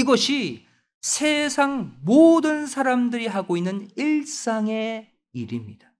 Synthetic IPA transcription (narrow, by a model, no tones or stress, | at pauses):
iɡʌɕʰi | sʰesʰaŋmodɯnsʰaɾamdɯɾiɦaɡoinːɯniɭs͈aŋe̞ | iɾimɲid̥ḁ